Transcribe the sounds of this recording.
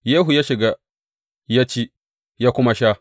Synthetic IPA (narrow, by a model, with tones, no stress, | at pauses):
jeː˦ɦu˨ja˦ʃɪ˨ɡa˦ | ja˦t͡ʃi˦ | ja˦kʷʊ˦ma˦ʃaː˦